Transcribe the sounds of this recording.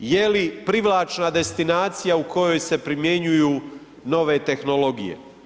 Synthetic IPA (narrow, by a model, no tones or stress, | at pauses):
jelipɾiʋlˠaːt͡ʃnad̪e̞st̪inaːt̪sijauko̞jo̞jse̞pɾimje̞ɲujuː | no̞ʋe̞t̪e̞xno̞lo̞ɡḭjḛ